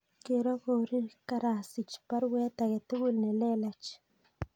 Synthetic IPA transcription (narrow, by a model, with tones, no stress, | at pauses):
ke˧ɾo˦ko˧ɾi˦ɾka˧ɾa˨si˨t͡ʃpa˦ɾwe˦t̪a˨ɡe˨t̪e˦ɡu˦lne˨le˦la˨t͡ʃ